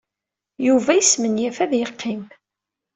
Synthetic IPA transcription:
juvæjəsmənjæfæðjəqːim

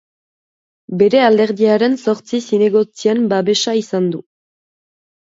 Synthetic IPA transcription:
be̞ɾe̞ald̪e̞ɾðiaɾe̞nso̞ɾt͡sisine̞ɣo̞t͡siembaβe̞ʃaisand̪u

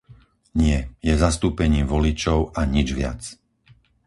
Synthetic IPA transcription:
ɲɪɛjɛzast̪uːpɛɲiːmʋɔlit͡ʃɔʊʔaɲid͡ʒʋɪa̰t͡s

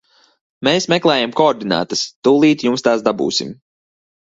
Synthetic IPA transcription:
meːsmɛklˠɛːjamkɔːɾd̪ina̰ːt̪ɐst̪uːlˠiːt̪jumst̪aːsd̪abṵːsḭm

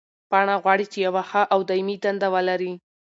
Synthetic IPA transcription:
pɑɳ̃aɣwɑɽit͡ʃejawaxaʔawd̪ajmid̪and̪awəlaɾi

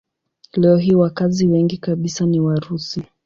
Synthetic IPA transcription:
lɛɔɦiwakaziwɛŋɡikaɓisaniwaɾusi

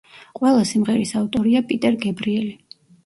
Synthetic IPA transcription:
qʼwɛlˠasimʁɛɾisavt̪ʼɔɾiapʼit̪ʼɛɾɡɛbɾiɛli

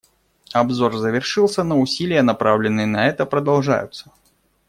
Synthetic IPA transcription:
ɐbzorzəvʲɪrʂɨlˠsʲənəʊsʲilʲɪjənɐpɾavlʲɪnːɨjənɐɛt̪əpɾəd̪ɐlˠʐa̰jʊ̰t̪sːə

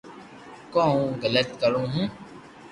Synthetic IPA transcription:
kõːũɣələt̪kəɾõːɦũː

